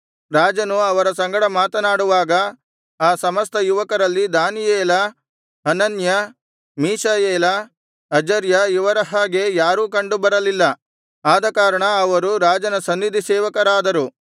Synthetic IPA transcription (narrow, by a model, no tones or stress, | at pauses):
ɾaːd͡ʒɐnuɐʋɐɾɐsɐŋɡɐɽɐmaːt̪ɐnaːɽuʋaːɡɐ | aːsɐmɐst̪ɐjuʋɐkɐɾɐlːid̪aːnijeːlɐ | ɐnɐnjɐ | miːʃajeːlɐ | ɐd͡ʒɐɾjɐiʋɐɾɐɦaːɡe̞jaːɾuːkɐɳɖubɐɾɐlilːɐ | aːd̪ɐkaːɾɐɳɐːʋɐɾuɾaːd͡ʒɐnɐsɐnːid̪ʱisɛːʋɐkɐɾaːd̪ɐɾu